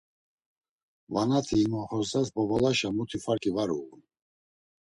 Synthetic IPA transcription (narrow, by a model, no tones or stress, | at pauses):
vanat̪ʰiːmɔχɔsd̪asbɔbɔlaʃamut̪ʰifaɾkʼivaɾṵɣun